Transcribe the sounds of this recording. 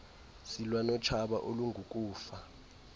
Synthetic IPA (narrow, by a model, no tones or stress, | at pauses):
silwanɔt͡ʃʰaɓa̰ʔoluŋɡʱukʼuːfa